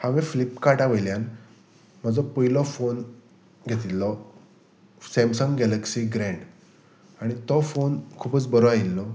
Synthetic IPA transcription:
hãʋeflipkaʈaʋəjljan | m̤əd͡zɔpəjlɔfon | ɡʱet̪iːɔ | sɛmsɔŋɡɛləksiɡɾɛ̃ɳɖ | aɽ̃it̪ɔfonkʰupət͡sbəɾɔailːɔ

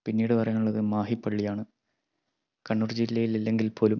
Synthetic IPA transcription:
pinːiːɽɨpɐrɐjuɭːɐðɨmaːɦipːɐɭːijaːɳɨ | kɐɳːurd͡ʑilːɐjililːe̞ŋɡilpʰo̞ːlum

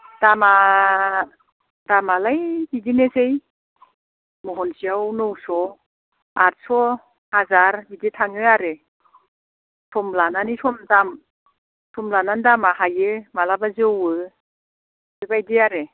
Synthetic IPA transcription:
d̥ama | damalajbidinezej | mɔɦɔnsiawnɔwsɔ | aɾsɔ | hazaɾbiditʰaŋɯaɾe | sʰɔmlananisɔmdam | sʰɔmlanandamaɦajɯmalabazɯɔwɯ | ɯbajdiaɾe

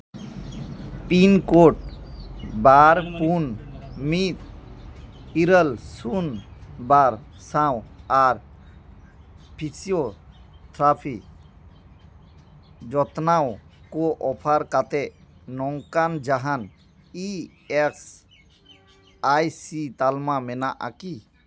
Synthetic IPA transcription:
pinkoʈ̚ | baɾpunmit̪ | iɾəlsunbaɾsãwaɾ | pʰisiot̪ʰɾapʰik | d͡ʒɔt̪nawkɔʔɔpʰaɾkat̪ɛʔnɔŋkand͡ʒaɦan | i | ɛks | ajsit̪almamɛnaʔa̰ki

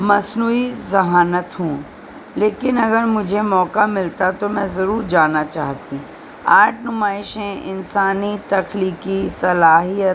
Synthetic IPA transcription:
mɐsnuːizɐɦaːnət̪ɦũː | leːkɪnɐɡəɾmʊd͡ʒʱemɔːkamɪlt̪at̪omɛ̃zɐɾuːɾd͡ʒaːnat͡ʃaːɦt̪ĩ | aːʈʰnʊmaːɪʃẽʔɪnsaːnit̪ɐkʰliːkisɐlaːɦijət̪

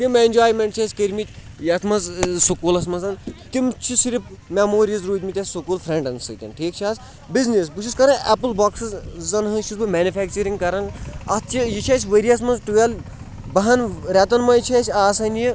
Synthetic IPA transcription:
timeinʲd͡ʒaːjmeɳʈt͡ʃʰɐsʲkəɾʲmit̪ʲ | jɐt̪ʰmɐzsukuːlɐsmɐzɐnt̪imt͡ʃʰisiɾipmʲamoːɾʲiizɾuːt̪ʲmit̪ʲɐsʲsukuːlfʰɾeɳɖɐnsɨt̪ʲɐ̰nʈʰiːkt͡ʃʰaːs | biznisbuʃʰuskɐɾɐnɛpɨlbaːksɨzzɐnɦɨʃusbɨmʲɛːnifɛːk̚t͡ʃɐɾiŋɡkɐɾɐnɐst͡ʃʰijit͡ʃʰɐːt͡ʃʲʋəɾiɐsmɐzʈuʋɐl | bɐɦɐnɾɛt̪ɐnmɐjt͡ʃʰet͡ʃʰʲaːsɐniji

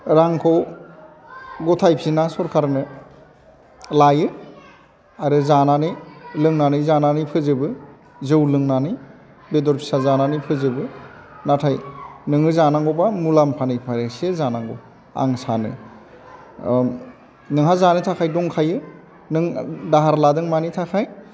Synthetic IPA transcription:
ɾaŋkʰɔ | ɡɔtʰajpʰinasɔɾkʰaɾnɯ | lajɯ | aɾɯzananɯjlɯŋnanɯjzananɯjpʰɯzɯbɯ | zɯwlɯŋnanɯj | bedɔɾpʰi̥sazananɯjpʰɯzɯbɯ | natʰajnɯŋɯzanaŋɡɔbamulampʰanɯjpʰaɾesezanaŋɡo̰ | a̰ŋsanɯ̰ | nɯŋɦazanɯtʰakʰajdɔŋkʰajɯ | nɯŋdaɦaɾladɯŋmanitʰakʰaj

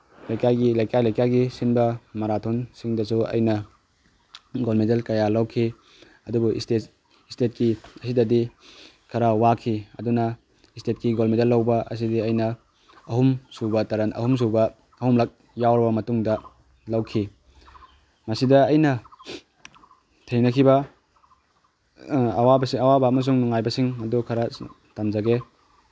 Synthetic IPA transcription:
lɐjkajɡilɐjkajlɐjkaɡisinbɐmɐɾatʰonsiŋdɐsuɐ̰jnɐ | ɡolmedelkɐjalɐwkʰi | ɐdubuistet | istet̚kiɐsidɐdi | kʰɐɾawakʰiɐ̰dunɐ | istet̚kiɡolmedelːɐwbɐʔɐ̰s̬idiɐjnɐ | ɐɦumsubɐtɐɾanʔɐ̰hums̬ubɐː | humlak̚ | jawɾɐbɐmɐtuŋdɐ | lɐwkʰi | mɐsidɐːjnɐ | tʰejnɐkʰibɐ | wabɐsiɐwabɐːmɐs̬uŋnuŋajbɐsiŋmɐdukʰɐɾa | tamzaɡe

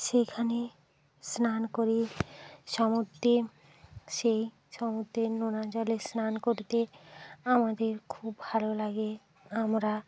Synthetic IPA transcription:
ʃekʰane | snankoɾiʃɔmot̪ːe | ʃej | ʃɔmot̪ːenonad͡ʑalesnankoɾt̪eamad̪eɾkʰubːʱalolaɡe | amɾa

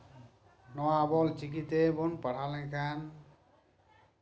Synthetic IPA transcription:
nɔwabɔlt͡ʃik̬it̪ebonpʌɽʰalẽkʰan

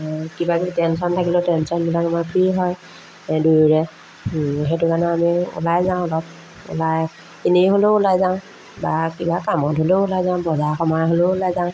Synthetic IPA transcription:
kibakitɛnsɔntʰakilotɛnsɔnbilakamajpʰɹiɦɔj | duɹɹɛ | ɦetʊkanɛamiṵlajzaʊ̃ɔlɔb̚ | ʊ̰laj | kiniɦoloːlajzaʊ̃ | bakibakamɔtɦoleʊlajzaʊ̃bɔzaxʰɔmaɦoloːlajzãʊ̃

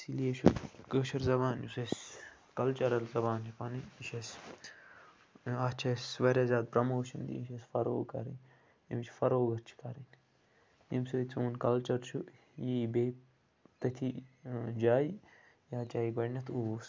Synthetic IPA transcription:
sileːʃʰṵkəːʃɐɾzɐbaːnjuses | kɐlt͡ʃɐɾɐlzɐbaːnt͡ʃipaniniʃes | ɐt͡ʃʰɐsʋɐɾʲaːzʲaːd̪̚pɾɐmoːʃɐnd̪ḭiʃesfɐɾo̰ːɡkɐ̰ɾin | ḭmt͡ʃʰfɐɾoːɡɐɾt͡ʃʰi̥kɐɾin | imsuːt͡soːnkɐlt͡ʃɐɾt͡ʃʰu | jibeː | t̪ɐt̪ʲʰid͡ʒaːi | jaːt͡ʃaːiɡɐɽnɐt̪ʰuːs

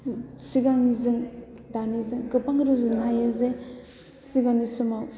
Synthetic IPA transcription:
siɡaŋizɯŋ | danizɯŋɡɯpaŋɾuzɯnajɯze | siɡanisumaw

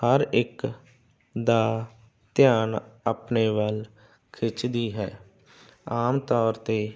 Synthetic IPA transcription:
həɾɪk | d̪aː | t̪jaːnapneːʋəl | kʰɪt͡ʃd̪iːɦɛː | aːmt̪ɔːɾt̪eː

